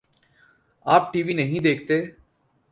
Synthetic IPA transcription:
aːp̚ʈiːʋinɐɦĩd̪eːk̚ʰt̪eː

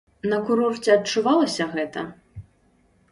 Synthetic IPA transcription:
nɐkuɾɔrt͡sʲɛɐt͡ʂːuvalˠɐsʲɐɣɛt̪ɐ̰

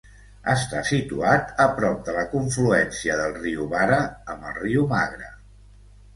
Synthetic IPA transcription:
əst̪asit̪uat̪əpɾɔp̚d̪ələkuɱfluɛnsiəðəlˠriuβaɾəːmbəlˠriumaɣɾə

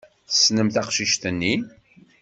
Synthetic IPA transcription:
θə̥snəmθæqʃiʃt̪ənːi

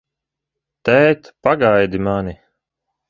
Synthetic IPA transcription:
t̪ɛjt̪paɡajd̪imani

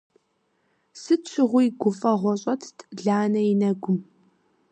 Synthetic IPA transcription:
sɨt͡ʃʷʰɪʁʷʊjɡʷʊfʼɐʁʷɔɕʼɐtʰtʰʼɮaːnɐjinɐɡʷʊm

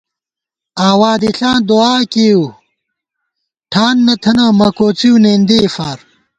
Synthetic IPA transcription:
aːwaːd̪iɬãːnd̪uaːkeːw | ʈʰaːnːɐt̪ʰɐnamɐkoːt͡siwneːnd̪eːfaːɾ

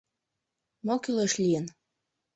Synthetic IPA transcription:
mokyleʃlijən

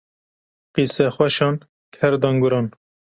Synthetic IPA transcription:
qisɛxwɛʃɑːn | kʰɛɾd̪ɑːŋɡuɾɑːn

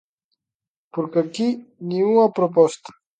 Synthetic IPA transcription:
puɾkakiniuapɾopost̪ḁ

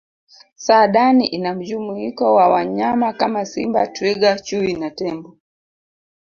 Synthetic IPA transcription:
saɗaniʔinam̩d͡ʒumuikɔwawaɲamakamasḭmba̰twiɠat͡ʃuinatɛmbɔ

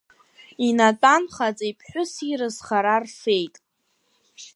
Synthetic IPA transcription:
inatʼanχat͡sʼipʰħʷᶣʊsirɨzχaɾarfe̞jtʼ

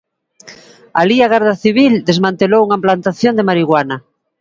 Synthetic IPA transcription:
aliaɣ̞aɾðaθiβild̪ezmãnt̪elowuŋaemplant̪aθjond̪emaɾiɣwanɐ

